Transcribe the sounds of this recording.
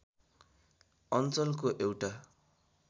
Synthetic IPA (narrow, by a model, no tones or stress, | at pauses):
ʌnt͡sʌlkoʔewʈa